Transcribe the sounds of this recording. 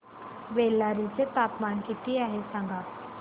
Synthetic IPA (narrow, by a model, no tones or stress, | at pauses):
ʋelːaɾit͡set̪apmankit̪iaɦesãŋɡʱa